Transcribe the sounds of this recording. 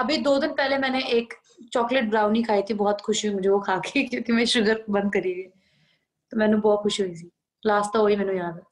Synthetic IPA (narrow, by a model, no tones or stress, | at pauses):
əbiːd̪oːd̪ɪnpɛːleːmɛ̃ːneʔɪk | t͡ʃɔːklɪʈ̚bɾaːʊniːkʰaːiːt̪ʰiːbɔːt̪kʰʊʃimʊd͡ʒʱeːoːkʰaːkʰeːkjõːkemɛ̃ːʃʊɡəɾbə̃nd̪̚kəɾiːɡeː | t̪oːmɛ̃ːnũːbɔːt̪kʰʊʃɦoːiːsiː | laːsʈ̚t̪aːɦoːiːmɛ̃ːnũːjaːd̪ɛː